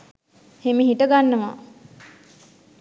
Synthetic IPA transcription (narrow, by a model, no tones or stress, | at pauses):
hemiɦiʈəɡanːəʋa̰